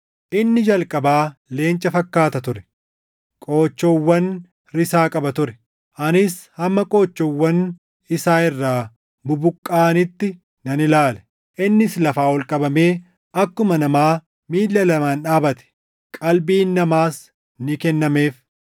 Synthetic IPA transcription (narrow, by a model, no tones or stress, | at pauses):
ʔɪnːɪd͡ʒɐlkʼɐbaːle̞ːnt͡ʃʼːɐfɐkːaːt̪ɐt̪ʊɾɛ̥ | kʼoːt͡ʃːɔwːɐn | ɾɪsaːkʼɐbɐt̪ʊɾɛ̥ | ʔɐnɪshɐmːɐkʼo̞ːt͡ʃːɔwːɐn | ɪsaːɪrːaː | bʊbʊkʼːaːnɪt̪ːɪ | nɐnɪlaːlɛ̥ | ʔɪnːɪslɐfaːɔlkʼɐbɐme̞ː | ɐkːʊmɐnɐmaː | miːlːɐlɐmaːnᶑaːbɐt̪ɛ̥ | kʼɐlbiːnːɐmaːs | nɪkɛnːɐme̞ːf